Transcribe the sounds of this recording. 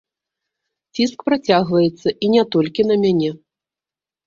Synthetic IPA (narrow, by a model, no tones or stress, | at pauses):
t͡sʲiskpɾat͡sʲaɣvɐjɛt̪sːɐʔinʲɛt̪ɔlʲkʲinɐmʲanʲɛ